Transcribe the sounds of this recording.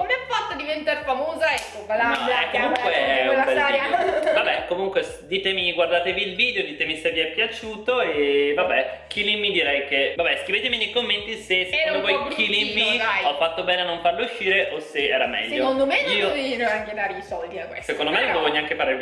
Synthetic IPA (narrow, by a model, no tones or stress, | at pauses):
komeafat̪ːad̪ivent̪aɾfamoːzaɛkːovalanɔɛkːomuŋkweɛavabɛkomuŋkwe | d̪iːt̪emiɡward̪aːt̪eviːlviːd̪eod̪iːt̪emiseviɛpːjat͡ʃuːt̪oevabɛk̟ilimːid̪iɾɛjkevabɛskɾiveːt̪eminejkomːent̪isesmokɔjkiliːiajɔfːat̪ːobɛːneanːoɱfarlouʃːiːɾeʔoseɛ̰ːɾamɛ̰ʎːsːokond̪omeniːovinoaŋked̪aːɾisɔld̪iakesekond̪omevovɔɲːaŋkepaɾeɾ